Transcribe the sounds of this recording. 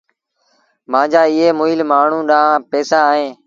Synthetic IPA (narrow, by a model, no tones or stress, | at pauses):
mãːd͡ʒaːɪɦeːmʊːilmaːɳ̤ũːɗãːpɛːsaːɦẽː